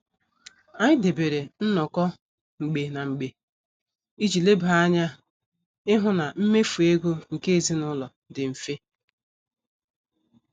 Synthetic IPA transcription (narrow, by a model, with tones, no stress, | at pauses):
a˨ɲɪ˦de˨be˨ɾe˨n̩˦nɔ˨kɔ˦ | ŋ͡m̩˨ɡ͡be˨na˨ŋ͡m̩˨ɡ͡be˨ | i˦d͡ʒi˨le˦bɦa˦ɲa˦ | ɪ˦ɦʊ˦na˨m̩˦me˦fu˨e˦ɡo˦ŋ̩˨ke˦e˨zi˦nʊ˦lɔ˨ | dɪ˨m̩˨fe˦